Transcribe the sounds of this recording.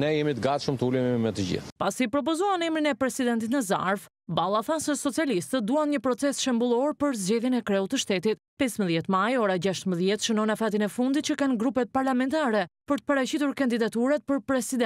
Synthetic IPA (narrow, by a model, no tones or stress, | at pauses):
nɛjɛmit̪əɡat̪ʃəmt̪əulɛmimɛt̪əd͡ʑḭθpasipɾɔp̬ɔzuanɛmɾinɛpɾɛsid̪ɛnt̪it̪nəza̰ɾv | balˠaθansɛsɔt͡sialist̪əd̪uanɲəpɾɔt͡sɛsʃɛmbulˠɔɾpəɾzd͡ʑɛðjɛnɛkɾɛut̪ːəʃt̪ɛt̪it̪̚pɛsməðjɛt̪majɔɾad͡ʑaʃt̪əməðjɛt̪ʃənɔnafat̪inɛfund̪it̪̚t͡ɕəkanɡɾupɛt̪̚paɾlamɛnt̪aɾɛpəɾt̪ə̥pəɾat͡ɕit̪uɾkand̪id̪at̪uɾat̪̚pəɾpɾɛsid̪ɛ